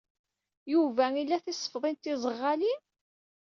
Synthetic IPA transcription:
juvæilːæθisˤːə̥fðˤint̪ɪzˤəʁːali

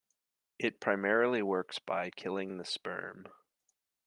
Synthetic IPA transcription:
ʔɪt̚pʰɹ̥aɪmɛɹl̩ˠiwɜ˞ksb̥aɪkʰɪlˠɪ̃ŋðɨspɜ̰̃˞m

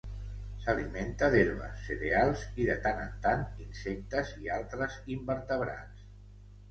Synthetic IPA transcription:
saliment̪əðeɾβə̰sːeɾealˠziðət̪anənt̪aninsɛk̚t̪əzialˠt̪ɾəzimbəɾt̪əβɾa̰ns

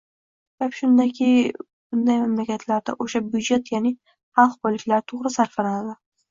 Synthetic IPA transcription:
ssbapʃʊnd̪akʲʰɪ | b̥ʊnd̪ajmamlakʲʰat̪ʰlaɾd̪a̰ʔoʃabʊd͡ʒat̪janɪ | hɑlˠqbɒlːɪkʲlaɾt̪ʰoʁɾɪsaɾfalanad̪ɪ

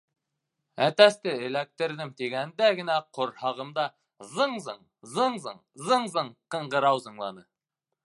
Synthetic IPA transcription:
æt̪æst̪ɘɘ̆læk̚t̪ɘ̆ɾd̪ɘmt̪iɡænd̪æɡɘ̆næqʰŏɾhɑʁɤ̆md̪ɑ | zɤɴzɤɴ | zɤɴzɤɴ | zɤɴzɤɴqɤ̆ɴɢɤ̆ɾɑwzɤ̆ɴlˠɑnɤ

